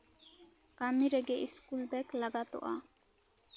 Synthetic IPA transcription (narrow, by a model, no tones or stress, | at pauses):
kamiɾɛɡɛʔiskulbɛklaɡat̪ɔ̰ʔa̰